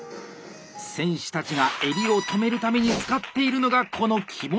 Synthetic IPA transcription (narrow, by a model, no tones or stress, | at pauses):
sẽ̞ɰ̃ɕi̥t̪at͡ɕiɡae̞ɾʲio̞t̪ome̞ɾɯ̟t̪ame̞ɲ̟it͡sɨ̥kat̪ːe̞iɾɯ̟no̞ɡakʰo̞no̞kʲʰimo